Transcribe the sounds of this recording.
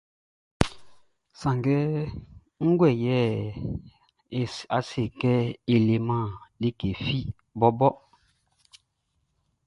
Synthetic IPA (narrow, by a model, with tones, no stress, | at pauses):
sã˨ŋɡɛ˦ | ŋ̩˦ɡwɛ˦˨jɛ˦˨ | a˨se˨kɛ˦e˨le˨mã˦˨le˦ke˨fi˦ | bɔ˦bɔ˦